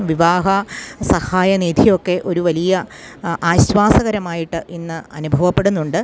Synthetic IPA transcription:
ʋiʋaːɦɐsɐhaːjɐniːd̪ʱijo̞kːe̞ʔo̞ɾuʋɐlijɐ | ʔaːɕʋaːsɐɣɐɾɐmaːjiʈːɨʔinːɨɐnubʱɐʋɐpːe̞ɽunːuɳɖɨ

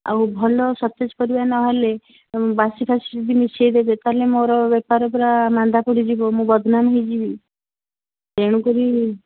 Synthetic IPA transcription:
a̰ɦubʱɔlɔsɔt̪ːed͡ʒkɔɾibanɔale | basipʰasid͡ʒud̪ʱimisʰejd̪ebet̪alemoɾɔbepaɾɔp̬ɾamand̪ʱapɔɽid͡ʒibɔmũbɔd̪ʱnamɦid͡ʒibi | d̪eɽ̃ũkɔɾi

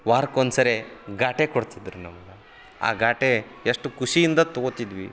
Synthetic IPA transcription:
ʋaːɾkonsɐɾeɡaːʈekoɽt̪id̪ɾunɐmɐɡɐ | a̰ːɡaːʈe | eʂʈukuʂijind̪ɐt̪oɡot̪id̪ʋḭ

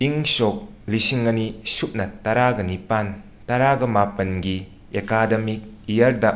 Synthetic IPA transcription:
iŋsok̚lisiŋːɐnisup̚nɐtɐɾaɡɐnipan | tɐɾaɡɐmapɐnɡi | ekadɐmik̚ijɐɾdɐ

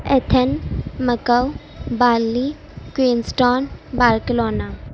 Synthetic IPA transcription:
et̪ʰənməkəw | baːlːi | kwiːnsʈoːnbaːlkəloːnaː

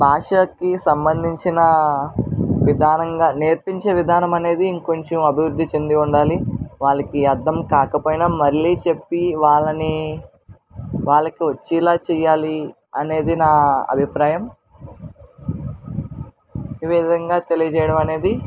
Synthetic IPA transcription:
bʱaːʂɐkisɐmbɐnd̪ʱiɲt͡ʃinɐ | ʋid̪ʱaːnɐŋɡaːneːɾpiɲt͡ʃeːʋid̪ʱaːnɐmɐne̞ːd̪iːŋko̞ɲt͡ʃɐmɐbʱiʋɾud̪ʱːit͡ʃe̞nd̪iuɳɖaːliʋaːɭɐkiɐd̪ːɐmkaːkɐpoːjnaːmɐɾliːt͡ʃe̞pːiʋaːɭɐni | ʋaːɭːɐkiʋɐt͡ʃːiːlaːt͡ʃɛːjaːli | ɐne̞ːd̪inaːɐ̰bʱipɾaːjɐm | eːʋid̪ɐŋɡaːt̪e̞lijɐd͡ʒɛːjɐɽɐmɐne̞ːd̪i

